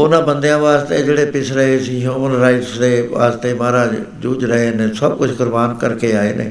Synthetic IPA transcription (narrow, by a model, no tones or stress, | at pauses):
ʊnãːbə̃nd̪ejãːʋaːst̪eːd͡ʒeːɽeːpɪsʰɾəɦesĩːɦjuːmənɾaːɪʈsɾeːʋa̰ːst̪eːmãːɾaː | d͡ʒuːd͡ʒɾəɦeːnẽːsəb̚kʊt͡ʃʰɡʊɾbaːnkəɾkeːaːḛːnḛː